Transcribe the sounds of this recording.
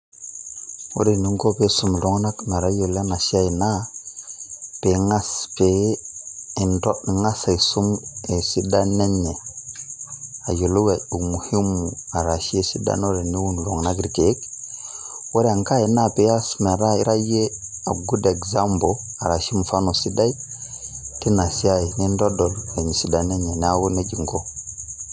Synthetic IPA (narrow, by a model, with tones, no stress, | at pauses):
o̰˦ɾe˨ni˦ŋko˦pe˦su˦m˨lo˦ŋna˦kma˨ɾa˦jo˨le˦na˨ʃi˦a˦i˨na˦ | pe˨ŋa˦spe˨˦ | i˨nto˦ɗi˨ŋa˦sa˨i˨su˦me˨si˦da˦ne˦nːe˨ | a˨jo˨lo˦we˨ɗu˨mu˨hi˦mu˨a˨ɾa˨ʃi˦e˦si˦da̰˦no˦ɾe˨ni˦wu˦n˨lo˨ŋna˦ɡɾi˨ke˨˦k | wo˦ɾe˦a˨ŋka˦e˨na˦pe˨ja˦sme˨ɾa˦i˦ɾa˦je˦a˨ɡu˦de˨ɡza˦mbo˨a˨ɾa˨ʃi˦mu˨fa˦no˨si˦da˦i˦ | ti˦na˨si˦a˦i˨ni˦ndo˦do˨le˨ɲi˨si˦da˨ne˦ɲe˨ne˨˦a˦wu˦ne˦d͡ʒi˨ŋɡo˦